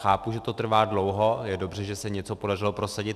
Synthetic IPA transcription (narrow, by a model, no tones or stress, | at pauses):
xaːpuʒɛt̪o̞t̪r̩vaːdlo̞wɦojɛdo̞br̝ɛʒɛsɛɲɛt͡sopo̞darɪlopɾo̞saɟɪt̪